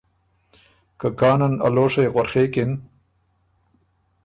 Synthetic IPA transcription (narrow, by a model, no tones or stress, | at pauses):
kakɑːnɐna̰loːʂejɣwaɾxeːkɪn